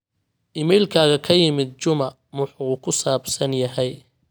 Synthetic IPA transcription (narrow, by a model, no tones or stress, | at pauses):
ʔɪmɛjlkʰaːɣɐkʰɐjɪmɪd̪̚t͡ʃʊmɐ | mʊħukʰʊsaːbsɐnjɐɦɛj